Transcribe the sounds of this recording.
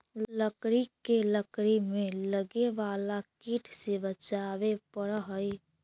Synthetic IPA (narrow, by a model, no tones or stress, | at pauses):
ləkɾikeləkɾimeləɡeʋalakiʈʰsebət͡ʃaβepəɾɦəj